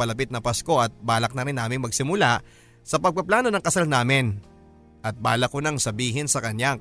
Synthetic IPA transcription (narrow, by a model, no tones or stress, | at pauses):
pɐlɐp̬ɪt̪̚nɐpɐsko̞ʔɐt̪̚baːlɐk̚nɐɾɪnːaːmɪŋmɐɡ̚sɪmʊlaʔ | sɐpɐɡ̚pɐplaːno̞nɐŋkɐsalnaːmɪn | ʔɐt̪̚baːlɐkonɐŋsɐbiːɦɪnsɐkɐɲja